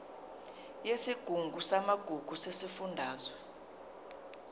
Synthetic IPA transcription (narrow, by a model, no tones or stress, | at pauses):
jesiɡ̥ʱuŋɡʱusamaɡ̥ʱuɡ̥ʱusesifundʱaːzwɛ